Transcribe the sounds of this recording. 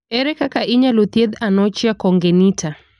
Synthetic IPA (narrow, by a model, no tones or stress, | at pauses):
ɛɾɛkakaʔiɲalut̪iɛðanɔt͡ʃiakɔŋɡɛnitʰa